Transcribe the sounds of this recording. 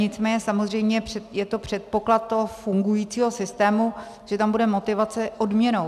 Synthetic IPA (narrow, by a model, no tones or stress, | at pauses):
ɲɪt͡smɛːɲɛsamozr̝ɛjmɲɛɛjɛt̪o̞pr̝̥ɛt̪̚po̞klat̪t̪ːoɦofuŋɡujiːt͡siːɦo̞sɪst̪ɛːmu | ʒ̥ɛt̪ambudɛmo̞t̪ɪvat͡sɛʔodmɲɛno̞